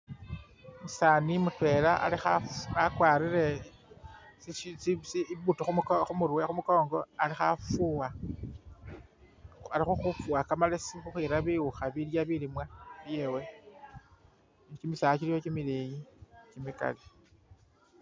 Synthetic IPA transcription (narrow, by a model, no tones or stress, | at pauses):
musaːnimutwe̞laʔa̰lixaakwaːɾiɾe̞ | sisiβutuxumxumuɾwexumuko̞ːŋɡo̞alixafuwa | alixuxufuakamalesixuxiɾaβiwuxaβiljaβilimwaβje̞we̞ | nikimisat͡ʃilijokimilejicimika̰li